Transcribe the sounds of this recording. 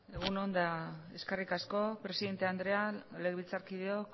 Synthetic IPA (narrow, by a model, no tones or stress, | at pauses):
e̞ɣ̞uno̞nd̪ae̞skerikasko̞pɾe̞siðe̞nt̪eand̪ɾe̞aleɣβit͡saɾkiðeok